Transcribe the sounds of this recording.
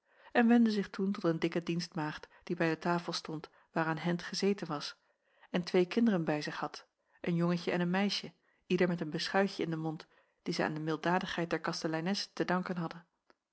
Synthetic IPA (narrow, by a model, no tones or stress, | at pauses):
ɛnʋɛndəzɪχtuntɔtəndɪkədinstmaːχtd̥ibɛjdətaːfəlˠstɔnt | ʋaːɾaːnɦɛntχəzejtənʋɑs | ɛntʋejkɪndərənbɛjzɪχhɑt | ʔənjoŋəcəɛnənmɛjʃə | ʔidəɹmɛtənbəsχœɥcəɪndəmɔnt | d̥izɛa̰ːndəmɪlˠdaːdəχɦɛjt̚dɛɹkɑstəlɛjnɛsətədɑŋkənɦɑdən